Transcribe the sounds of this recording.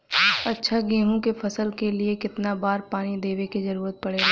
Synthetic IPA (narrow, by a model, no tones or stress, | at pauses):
ɐtːʃʰaɡẽːɦõkepʰɐsəlkeliekɪt̪nabaːɾpaːnid̪eːʋekezɐɾuːɾət̪̚pɐɽeːɡa